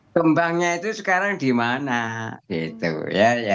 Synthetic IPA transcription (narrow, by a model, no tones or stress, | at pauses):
kəmbaŋɲait̪usəkaɾaŋdimanaɡ̥it̪ṵjaja